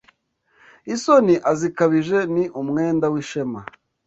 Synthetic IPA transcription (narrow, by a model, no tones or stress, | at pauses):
isoniʔazikaβiʒe̞niʔumŋeːndawiʃe̞ma